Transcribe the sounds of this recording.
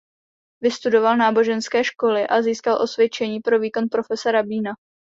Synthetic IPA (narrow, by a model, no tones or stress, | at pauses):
vɪst̪udo̞valnaːbo̞ʒɛnskɛːʃko̞lɪʔaziːskalʔo̞svjɛt͡ʃɛɲiːpɾo̞viːko̞npɾo̞fɛsɛɾabiːna